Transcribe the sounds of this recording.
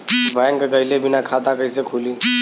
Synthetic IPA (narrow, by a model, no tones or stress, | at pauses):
bʱajŋɡɡəɪlebʱɪnakʰaːt̪akəisekʰuːliː